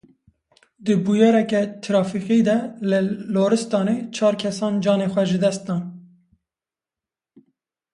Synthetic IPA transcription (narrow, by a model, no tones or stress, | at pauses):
d̪ɨbujɑːɾɛkɛt̪ʰɨɾɑːfiqid̪ɛlɨloːɾɨst̪ɑːneːt͡ʃʰɑːɾkʰɛsɑːnd͡ʒɑːneːxwɛʒɨd̪ɛst̪̚d̪ɑːn